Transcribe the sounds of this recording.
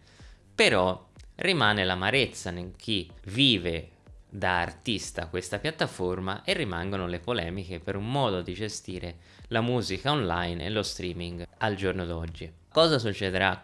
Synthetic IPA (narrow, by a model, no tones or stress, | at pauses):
peɾɔrimaːnelamaɾet̪sːaneŋk̟ʰivːiːve | d̪aːrt̪ist̪a̰kwest̪apjat̪ːaforma̰ʔerːimaŋɡonolepolɛːmikepeɾumːɔːd̪od̪id͡ʒest̪iːɾe | lamuːzikaonlajnḛlost̪ɾiːmiŋɡald͡ʒornod̪ɔd͡ʒːi | kːɔːzasut͡ʃːɛd̪eɾa